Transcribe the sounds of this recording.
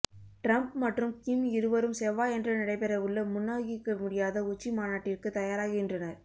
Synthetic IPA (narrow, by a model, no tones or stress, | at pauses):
ʈɾɐmp̚mɐʈrɯmkɪmɪɾɯʋɐɾɯmsɛʋaːɛndrɐnɪɽɐɪpɛɾɐɯɭːɐmʊnːaːɣɪkːɐmʊɽɪjaːðɐʊt͡ʃːimaːnaːʈːɪrkɯt̪ɐjaːɾaːɣɪndrɐnɐɾ